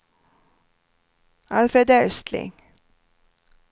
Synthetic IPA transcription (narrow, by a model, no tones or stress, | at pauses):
alfɾɛd̪œɹst̪lɪ̰ŋ